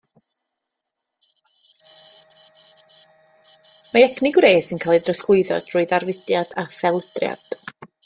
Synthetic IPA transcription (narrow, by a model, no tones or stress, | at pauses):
maɛkʰnɪɡwreːsɪnkʰaːlˠɨdrəskʊɨðɔ̰d̥rʊːɨðarvɪdjad̥afɛlˠd̥rja̰d̥